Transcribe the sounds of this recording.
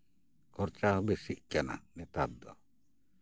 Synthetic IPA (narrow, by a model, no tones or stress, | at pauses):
kʰɔɾt͡ʃaɦɔbesiʔkana̰nɛt̪ad̪ɔ̰